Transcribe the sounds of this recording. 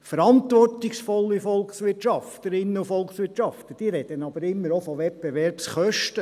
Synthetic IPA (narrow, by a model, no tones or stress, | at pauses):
fəɾɑnt̪ʋɔrtiksfɔlːifɔlˠksʋɪtʃɑft̪əɾɪnːəufɔlˠksʋɪtt͡ʃɑft̪əd̥iːɾɛd̪̥ənɑbəɾɪmːəɾofoʋɛpbeʋɛɾpsχœʃtə